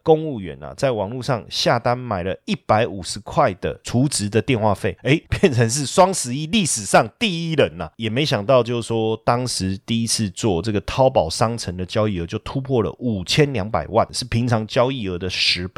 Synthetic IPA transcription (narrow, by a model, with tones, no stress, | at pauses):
ko˥˧ŋu˥˩ɥɛ̰˧˥nɐ̰˨t͡sa˥˩ɪwɑ˨˩ŋlu˥˧ʂɑ˥˧ŋɕja˥˨˩t̪a˥nma˨˩ɪlə˦i˥˩pa˧˥ɪʔu˨˩ʂɻ̩˧˦kʰwa˥˩ɪd̪̥ə̰˩t͡sʰu˨˥t͡sɻ̩˧˥˦d̪ə˨t̪jɛ˥˧nxwa̰˥˧fe˥˩ɪe˧˥ɪpjɛ˥˩nt͡sʰə˧˦ŋʂ̬ɻ̩˥˩ʂwɑ˥ŋsɹ̩˧˥i˥˧li˥˩ʂɻ̩˨˩ʂɑ˥˧ŋt̪i˥˧i˥˩ɻə˧˦nɐ˨jɛ˨˩me˧˥ɪɕjɑ˨˩ŋt̪ɑ˥˧ʊt͡ɕjo˥˧ʊ˩ʂwɔ˥t̪ɑ˥ŋʂɻ̩˧˥t̪i˥˩i˦˥t͡s̩ʰ˥˧t͡swɔ˥˨t͡sɤ˥˩ɡə˩t̪ʰɑ˥ʊpɑ˨˩ʊʂɑ˥ŋt͡sʰə˧˥ŋd̪ə˨t͡ɕjɑ˥ʊi˥˩ə˧˦t͡ɕjo˥˩ʊt̪ʰu˥pʰwɔ˥˩lə̰˩ʔu˨˩t͡ɕʰjɛ˥nljɑ˧˥ŋpa̰˨˩ɪwa̰˥˩nʂɻ̩˥˩pʰi˧˥ŋt͡sʰɑ˧˥ŋt͡ɕjɑ˥ʊi˥˩ə˧˥d̪ə˨ʂɻ̩˧˥pe˥˩